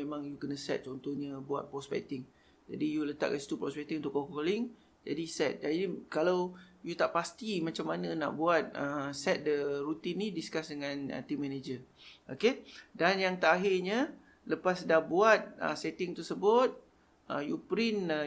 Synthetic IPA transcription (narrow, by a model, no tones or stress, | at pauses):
emãŋjukənəsɛ̰t̪̚t͡ʃɔnt̪ohɲəbua̰t̪̚pɾɔspɛ̰kt̪ɪŋ | d͡ʒa̰dijulət̪a̰ʔ̚kansi̥t̪upɾɔspɛk̚t̪iŋunt̪ʊkːokolɪŋ | d͡ʒadisɛt̪̚d͡ʒadikalawjut̪aʔpast̪imat͡ʃamːanə̃na̰ʔbuat̪̚əsɛt̪̚dəɾut̪inːidiskasdəŋãnə̰t̪imːɛned͡ʒəokedanjaŋt̪aʔaɦɪrɲə | ləpasdahbuat̪̚ə̰sɛt̪ɪŋt̪əsəbʊt̪̚ | ʔəjupɾinə